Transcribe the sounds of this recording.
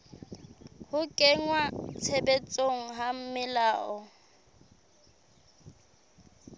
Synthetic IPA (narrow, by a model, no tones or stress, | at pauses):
hʊkʼeŋwat͡sʰebet͡sʼoŋ̩ɦam̩mɪlaːʔɔ